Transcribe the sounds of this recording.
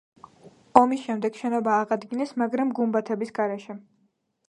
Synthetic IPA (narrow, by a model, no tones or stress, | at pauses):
ɔmisʃɛmd̪ɛɡ̥ʃɛnɔbaːʁad̪ɡinɛsmaɡɾamɡumbat̪ʰɛbisɡaɾɛʃɛ